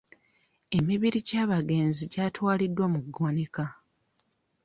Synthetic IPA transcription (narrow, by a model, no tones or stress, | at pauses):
e̞miβiɾiɟaːβaɡe̞ːnziɟaːtwaːlidːwamuɡːoneka